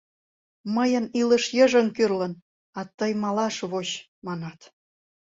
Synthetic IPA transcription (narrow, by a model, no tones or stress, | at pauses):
məjə̆nilə̆ʃjə̆ʒə̆ŋkyrlə̆n | ɑt̪əjmɑlɑʃβoɕ | mɑnɑt̪